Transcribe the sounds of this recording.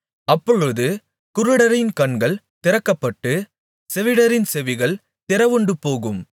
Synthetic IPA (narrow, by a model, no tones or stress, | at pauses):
ɐpːɔɻɯðɯ | kʊɾɯɽɐɾɪnkɐɳɡɐɭ | t̪ɪɾɐkːɐpːɐʈːɯ | sɛʋɪɽɐɾɪnsɛʋɪɣɐɭ | t̪ɪɾɐʋɯɳɖɯpoːɣɯm